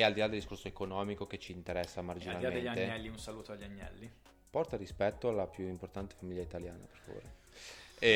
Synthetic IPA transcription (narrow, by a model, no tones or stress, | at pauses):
eald̪ilad̪eld̪iskorsoekonɔːmikok̟et͡ʃiːnt̪eɾɛsːamard͡ʒinnaliameenʎːat̪eɛlːiunsaluːt̪oaʎːiaɲːɛ̰lːi | pɔrt̪aɾispɛt̪ːoalːapjuimport̪ant̪e̥famiʎːait̪aljaːna̰pe̥rfavo̰ːɾe